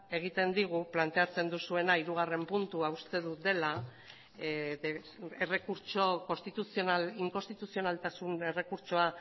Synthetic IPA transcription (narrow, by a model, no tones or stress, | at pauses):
e̞ɣ̞it̪e̞nd̪iɣ̞uplant̪e̞at͡se̞nd̪usue̞naiɾuɣ̞are̞mpunt̪uaust̪e̞ðud̪e̞la | e | ere̞kuɾt͡ʃo̞ko̞st̪it̪usionaliŋko̞st̪it̪usio̞nalt̪asune̞re̞kuɾt͡ʃoa